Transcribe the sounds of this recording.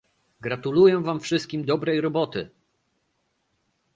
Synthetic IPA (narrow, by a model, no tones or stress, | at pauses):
ɡɾat̪ulujɛ̃vamfʂɘst̪̚kʲimd̪ɔbɾɛjɾɔbɔt̪ɘ